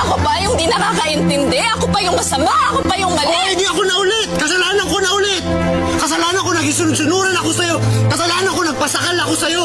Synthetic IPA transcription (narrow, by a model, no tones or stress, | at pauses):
ʔɐkopɐjʊŋd̪inɐkaːkɐʔɪnt̪ɪnd̪ɛʔɐkopɐjʊŋkɐsɐmahɐkopɐjʊŋmɐlɪɪd̪iɐko̞nɐʔʊlɛt̪̚kɐsɐlaːnɐŋko̞nɐʔʊlɛt̪̚ | kɐs̬ɐlaːnɐŋko̞nɐɡɪsʊnʊd̪̚sʊnuːɾɐnɐko̞sɐjo̞kɐsɐlaːhnɐŋko̞nɐɡ̚pɐsɐkalɐko̞sɐjo̞